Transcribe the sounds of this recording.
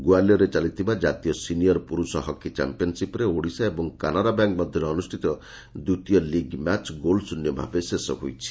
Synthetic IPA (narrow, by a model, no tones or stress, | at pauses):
ɡualjɔɾet͡ʃalit̪ʰibad͡ʒat̪ijɔsinijɔɾpuɾusɔɦɔkːit͡ʃa̰mpiɔnsipɔɾeoɽisaebɔŋkanaɾabjaŋk̚mɔd̪ʱjɔɾeɔnusʈʰit̪ɔ | d̪ut̪ijɔliɡmat͡ʃɡolsunjɔbʱa̰besesɔɦojt͡ʃʰi̥